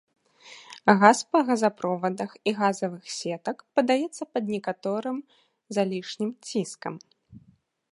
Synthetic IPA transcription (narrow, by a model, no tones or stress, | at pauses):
ɣaspɐɣɐzapɾɔvɐd̪ɐxiɣazɐvɨxsʲɛt̪ɐkpɐd̪ajɛt̪sːɐpɐd̪nʲɛkat̪ɔɾɨm | zalʲiʂnʲimt͡sʲiskɐm